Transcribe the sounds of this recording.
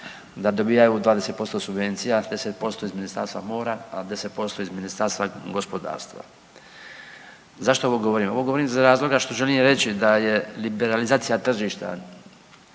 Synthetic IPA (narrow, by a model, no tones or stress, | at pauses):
d̪ad̪o̞biːjajud̪ʋaːd̪e̞set̪po̞st̪osubʋe̞nt̪sijad̪e̞set̪̚po̞st̪o̞izminist̪a̰ɾst̪ʋamo̞ːɾaad̪e̞set̪̚po̞st̪o̞izminist̪aɾst̪vaɡo̞spo̞d̪a̰ːɾst̪ʋa̰ | zaʃt̪o̞oʋoɡo̞ʋo̞ɾiːmo̞ʋo̞ɡo̞ʋoɾiːmzaɾaːzlˠo̞ɡaʃt̪o̞ʒelimɾe̞t͡ɕid̪aje̞libeɾalizaːt̪sijat̪r̩ʒiːʃt̪a̰